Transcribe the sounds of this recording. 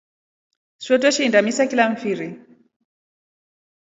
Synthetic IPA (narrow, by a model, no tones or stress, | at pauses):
swɔtwɛʃindamisakilaɱ̩fiɾi